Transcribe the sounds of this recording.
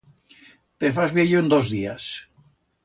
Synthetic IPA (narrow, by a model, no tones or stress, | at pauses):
t̪efazβjeʎoend̪ozðias